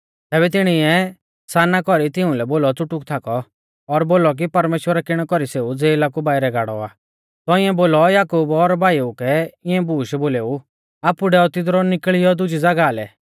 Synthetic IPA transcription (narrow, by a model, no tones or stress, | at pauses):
t̪ɛːβɛt̪ɪɽ̃ɪɛ | saːnakɔɾit̪ɪʊ̃lɛboːlɔt͡sʊʈʊkt̪ʰakɔː | ɾboːlɔk̬ipɐɾmeːʃwəɾakɪɽ̃ɛkɔɾiseːud͡zeːlakubaːiɾɛɡaːɽɔ̰a̰ː | t̪ɔɪ̃ɛ̃boːlɔjaːkuːbɔɾbʱaːiukɛɪ̃ɛ̃buːʃboːleːu | aːpuɖɛɔt̪ɪd̪ɾɔnɪkɭɪjɔd̪ʊd͡ʒid͡zɐɡaːlɛ̰